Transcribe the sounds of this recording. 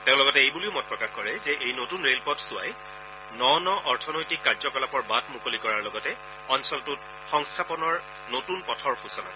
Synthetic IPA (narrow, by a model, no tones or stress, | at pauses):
tẽʊ̃lɔɡɔtɛejbuliʊmɔpɹɔkaxkɔɹɛzɛʔejnotunɹelpɔtsʊa̰j | nɔnɔʔɔɹtʰɔnojtikːaɹzɔkɔlapɔɹbatmukolikɔɹaɹlɔɡɔtɛ | ɔnsɔltʊt̚ | xɔŋstʰapɔnɔɹ | notunpɔtʰɔɹxusɔna̰